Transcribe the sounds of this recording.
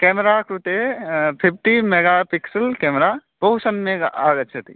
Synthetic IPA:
kɛːmɾakɾut̪epʰɪp̚ʰʈimeɡapɪksəlkɛːmɾaboɦʊsənmẽaːɡətːʃʰət̪ḭ

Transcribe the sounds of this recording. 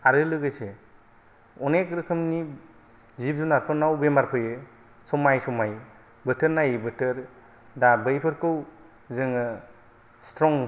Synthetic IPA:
aɾɯlɯɡɯjse | ɔnekɾɯkʰɯmni | zip̚zunaɾpʰɯɾnawbemaɾpʰɯjɯ | sɔmajsɔmaj | bɯtʰɯɾnajbɯtɯɾ | dabɯjpʰɯɾkɯw | zɯŋɯ | stɾɔŋ

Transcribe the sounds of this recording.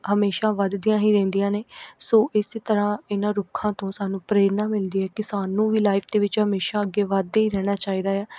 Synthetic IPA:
ɦəmeːʃaːʋəd̪d̪ijãːɦiːɾɛ̃ːnd̪ijãːneːsoːʔɪst̪əɾãːɪnãːɾʊkʰãːt̪õːsaːnũːpɾeːɾnaːmɪld̪iːɦɛːkɪsaːnũːʋiːlaːɪpʰd̪eːʋɪt͡ʃɦəmeːʃaːəɡːeːʋəd̪eiːɾɛːɽ̃aːt͡ʃaːiːd̪aːɛː

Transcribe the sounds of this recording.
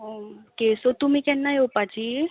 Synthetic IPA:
ɦokesot̪umĩkɛnːajopat͡ʃi

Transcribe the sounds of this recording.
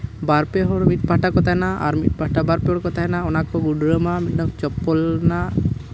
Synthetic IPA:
baɾpɛɦɔɽmit̪bʱaʈakɔt̪aɦɛnaa̰ɾmit̪̚ˀbʱaʈabaɾpɛɦɔɽkɔt̪aɦɛnaɔnakɔɡuɖɾəmamit̪̚nɔkt͡ʃɔpːɔlna

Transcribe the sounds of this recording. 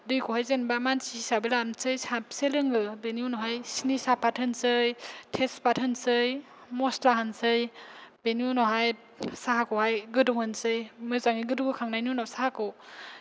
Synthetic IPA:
dɯjkɔhajzenbamansiisabelansɯjsapselɯŋɯbeniunɔɦajsinisapʰatʰhɯnsɯjtʰespathɯnsɯj | mɔstlaɦansɯjb̥enijunɔɦaj | saɦakɔhajɡɯduŋhɯnsɯjmɯzaŋiɡɯduŋɯkʰaŋnajnunasahako

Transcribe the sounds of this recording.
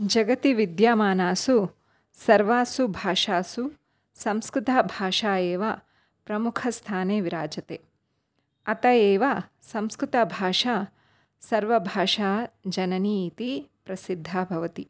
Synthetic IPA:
d͡ʒɐɡɐt̪iʋid̪jaːmaːnaːsu | sɐɾʋaːsubʱaːʂaːsu | sɐ̃mskɾut̪abʱaːʂaːeːʋa | pɾɐmukʰɐst̪ʰaːneːʋiɾaːd͡ʒɐt̪eː | ɐt̪ɐjeːʋa | sɐ̃mskɾut̪ɐbʱaːʂaː | sɐɾʋɐbʱaːʃaːd͡ʒɐnɐniːt̪ipɾɐsid̪ʱːaːbʱɐʋɐt̪i

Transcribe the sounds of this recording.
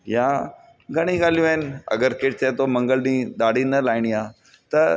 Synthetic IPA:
jã | ɡʱɐɽ̃iɡaːlijũaːɪnɪ̆ɐ̰ɡəɾkeʈ̚t͡ɕet̪omɐ̃ŋɡəlɗĩːɗ̪aːɽʱinɐlaːɪɽ̃ijaː | t̪ɐ

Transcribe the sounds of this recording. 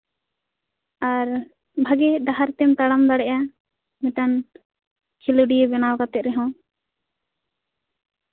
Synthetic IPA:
aɾ | bʱaɡɛɖaɦaɾt̪ɛmt̪aɽamd̪aɽɛʔa | mitan | kʰiluɖijbɛnawkat̪ɛt̪̚ɾɛɦɔ̃

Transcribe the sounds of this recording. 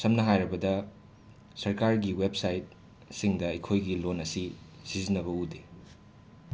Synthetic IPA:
sɐmnɐɦajɾɐbɐdɐ | sɐɾkaɾɡiwep̚sajt̚ | siŋdɐɐjkʰojɡilonɐsi | sizinɐβɐude

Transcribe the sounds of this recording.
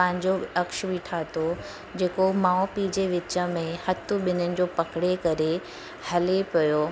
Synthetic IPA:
pɐ̃ɦɪ̃ɲd͡ʑoɐkʃʋiːʈʰaːt̪ʰo | d͡ʑeːkomaːopiːd͡ʑeʋɪt͡ɕə̆mẽhɐt̪ʰʊɓɪnənɪ̆d͡ʑoːpɐkɪɽekɐɾe | hɐlepɐjoː

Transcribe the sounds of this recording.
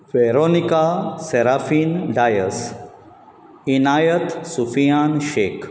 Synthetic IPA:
ʋeɾonikaseɾaːfiːnɖaːjəs | inaːjət̪sufijaːnʃeːk

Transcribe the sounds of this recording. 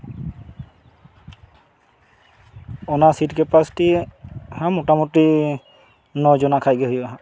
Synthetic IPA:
ɔnasitkɛpasi̥tihamɔtamuti | nɔzɔnakʰajɡɛɦojaɦa

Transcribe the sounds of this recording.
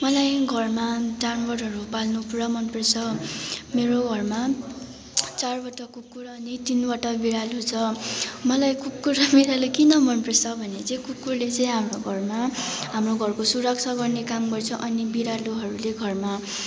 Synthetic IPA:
mʌlajɡʱʌrmadanwʌɽɦʌɾupalnupuɾamʌnpresʰʌmeɾoɡʱʌrma | t͡sarbʌʈʌkukːuɾʌnit̪inwaʈʌbiɾalut͡sʰʌmʌlajkukːuɾbiɾalukinʌmʌnpresʌbʱʌnet͡sʌ̃ĩkukːurlet͡sʌĩɦamroɡʱʌrmaɦamroɡʱʌrkosuɾʌksʰaɡʌrnekamɡʌrt͡sʰʌʔʌnibiɾaluɦʌɾuleɡʱʌrma

